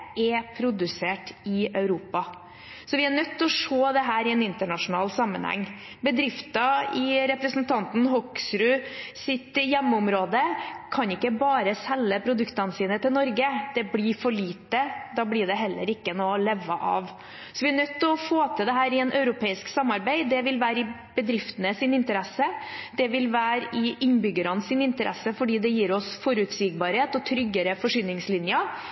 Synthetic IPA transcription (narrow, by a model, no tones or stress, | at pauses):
ɛpʰɾʊd̪ʉseːʈɪœʉɾuːpɑ | sɔʋɪæɳœt̪ːɔʂoːd̪ɛɦæːɾɪɛnɪnt̪əɳɑʂʊnɑːlsɑmːə̰nhæ̰ŋː | bəd̪ɾɪft̪ɑɪɾɛpɾəsnt̪ʰɑnt̪n̩hɔksɾʉsɪt̪jɛmːʊmɾoːd̪əkʰɑnɪkːəbɑːɾəsɛlːəpʰɾʊd̪ʉkt̪ɑnəsiːnət̪ɪlnɔɾɡəd̪̥ɛbliɾfɔɭiːt̪ːəd̪ɑːblɪɖɛɦɛlːə̰ɾɪkːənɔlɛʋːəʔɑ̰ʋ | sɔʋɪæɳœt̪ːɔfoːt̪ʰɪld̪ɛɦæːɾɪɛnʔœʉɾʊpʰeːɪsksɑmːɑɾbæɪd̪ɛʋɪlʋæːɾɪb̥əd̪ɾɪft̪ənəsɪnɪnt̪əɾɛsəd̪̥ɛʋɪlʋæːɾɪʔɪnːbʏɡəɾɑnəsɪnɪnt̪əɾʔɛ̰sːəfɔɖiːd̪ɛjiːɾɔsfɔɾʉt̪siːɡ̚bɑːɾheːt̪ɔt̪ʰɾʏɡːəɾəfɔʂyːnɪŋslɪnjɑ